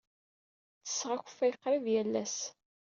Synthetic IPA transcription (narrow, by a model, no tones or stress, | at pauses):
t͡sːə̥sʁaçə̥fæjqːɾivjælːæs